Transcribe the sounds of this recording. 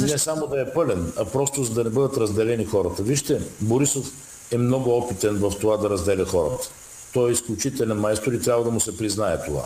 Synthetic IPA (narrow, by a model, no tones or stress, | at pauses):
nɛsamod̪ɐɛpɤlɛnɐpɾɔst̪ʊzɐd̪ɐnɛbɤd̪ət̪ɾɐzd̪ɛlɛnixɔɾət̪əviʃt̪ɛboɾisof | ɛmnɔɡʊɔpit̪ɛnvɐft̪ovad̪ɐɾɐzd̪ɛlʲɛxɔɾə̰t̪ə̥ | t̪ɔjɛisklʲʊt͡ʃit̪ɛlʲɛnmajst̪oɾit̪ɾʲabvəd̪ɐmʊsɛpɾiznaɛt̪ova̰